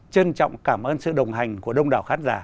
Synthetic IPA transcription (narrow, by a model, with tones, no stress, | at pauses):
t͡ɕə˧nt͡ɕɔ̰˧˨wŋ͡mkaː˧˩mʔəː˧nsɨ̰˧˨ɗə˨˩wŋ͡mɦa˨˩jŋ̟ku˧˩əɗə˧wŋ͡mɗaː˨˩wxaː˨˦nzaː˧˩˦